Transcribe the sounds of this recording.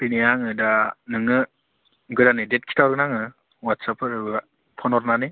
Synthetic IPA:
pinijaŋɯdanɯŋɯ | ɡɯdanidet̚kʰi̥tʰawɾɡɯnaŋɯ | watsapʰɯɾɯa | pʰɔnɔɾnani

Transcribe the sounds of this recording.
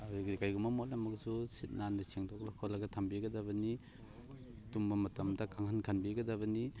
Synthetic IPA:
kajɡumamɔtlamɐksusit̚naniseŋdʰɔk̚lakʰɔlaɡatʰambiɡɐdabɐni | tumbamɐtɐmdakʰaŋhankʰanbiɡɐdabɐni

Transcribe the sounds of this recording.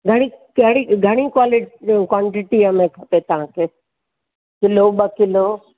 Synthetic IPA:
ɡʱɐɽ̃ikɐɽiɡʱɐɽ̃ikwaːlɪkwãːɳʈɪʈiəmẽkʰɐpet̪ɐʋ̤ãkʰeː | kɪloɓɐkɪloː

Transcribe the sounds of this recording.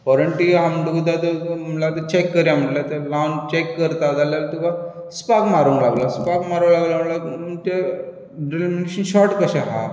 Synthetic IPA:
kɔɾəɳʈiɦaməɖukd̪at̪əlat̪ət͡ɕekːəɾjam̤əlat̪əlant͡ɕekːəɾt̪ad͡z̪aljalt̪uka | spakmaɾũlaɡlaspakmaɾũlaɡlaməlamunt̪e | ɖelmineɕənɕɔɾʈkəɕaɦa̰

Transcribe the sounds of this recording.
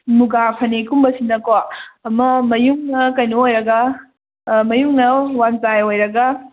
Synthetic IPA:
muɡapʰɐnekumbɐsinɐkoːmɐmɐjuŋnɐkɐjnoojɾɐɡɐ | mɐjuŋnɐwanzajojɾɐɡɐ

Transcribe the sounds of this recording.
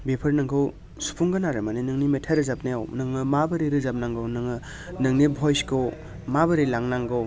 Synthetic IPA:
bepʰɯɾnɯŋkʰɯw | su̥pʰuŋɡɯnaɾɯmaninɯŋnimetʰaɾɯzap̚najawnɯŋɯmabɯɾiɾɯzap̚naŋɡɯwnɯŋɯ | nɯŋnibʱɔjskʰɯw | mabɯɾilaŋnaŋɡɯw

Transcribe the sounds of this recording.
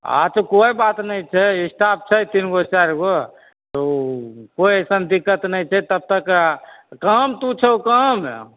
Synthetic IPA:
a̰t̪okojbat̪nəjt͡ʃʰɛisʈʰap̚t͡ʃʰɛt̪inɡot͡ʃaɾɡo | t̪okoiəsənd̪ikːət̪nəjt͡ʃʰɛt̪əb̚t̪əkkəmt̪ũt͡ʃʰɛokəm

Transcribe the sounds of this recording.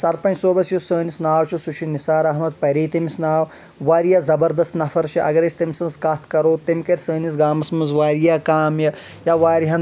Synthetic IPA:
sɐɾpɐ̃nt͡ʃsoːbɐsjusəːnisnaːwt͡ʃʰusuʃʰinisaːɾɐɦmɐd̪̚pɐɾiːt̪ɐmisnaːw | ʋaːɾijaːzɐbɐɾd̪ɐst̪nɐfʰɐɾt͡ʃʰiʔɐ̰ɡɐɾesʲt̪ɐmsɐ̃nskɐt̪ʰkɐɾoːt̪emkɐɾʲsəːnisɡaːmɐsmɐzʋaːɾijakaːmjɐ | jaʋaːɾiɦɐ̃n

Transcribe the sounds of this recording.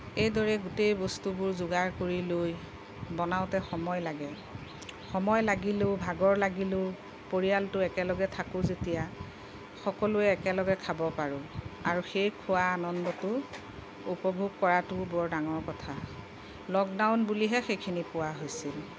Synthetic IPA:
ejdɔɹɛɡutejbɔstubʊɹzʊɡaɹkoɹiloj | bɔnaʊtɛxɔmɔjlaɡɛ | xɔmɔjlaɡilʊbʱaɡɔɹlaɡilʊ | poɹijaltʊɛkɛlɔɡɛtʰakʊzetija | xɔkɔluɛːkɛlɔɡɛkʰabɔpaɹʊ̃aɹuxejkʰʊwaːnɔndɔtʊ | upɔbʱuɡ̚kɔɹatʊbɔɹdaŋɔɹkɔtʰa | lɔk̚daʊnbuliɦɛxejkʰinipʊwaɦojsil

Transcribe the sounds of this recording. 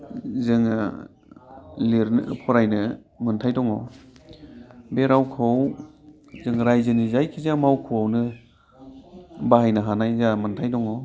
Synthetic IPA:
zɯŋa | liɾnpʰɔɾajnɯ | mɯntʰajdɔŋɔ | beɾawkʰɔw | zɯŋɾajzɯnizajkʰizamawkʰuawnɯ | baɦajnaɦanajzamɯntʰajdɔŋɔ

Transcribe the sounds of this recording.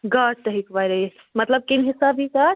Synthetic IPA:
ɡəɾt̪əɦikʋaɾe | mət̪ləb̚kinɦisabʱikaɾ

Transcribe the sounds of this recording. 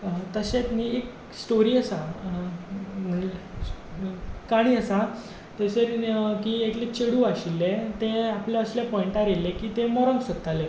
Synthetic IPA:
t̪əset̪niek | sʈoɾiːəsa | m̤əɳ | kaɽ̃iːəsa | t̪əseɾkiːeklet͡ɕeɽuːaɕilːet̪eapljaəsljapɔiɳʈaɾelːekiːt̪emɔɾə̃ŋɡsət̪ale

